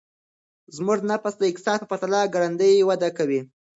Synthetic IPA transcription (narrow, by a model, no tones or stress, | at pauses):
zmʊʐnapasd̪əɪk̚t̪ɪ̥sɑd̪̚pəpaɾt̪alɑɡaɽand̪əjwad̪akawi